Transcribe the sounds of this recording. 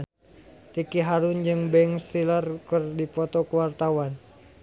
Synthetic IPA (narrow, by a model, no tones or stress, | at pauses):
t̪ikiɦaɾund͡ʒɨŋbɛŋst̪ilərkɨrdipɔt̪ɔkəwart̪awan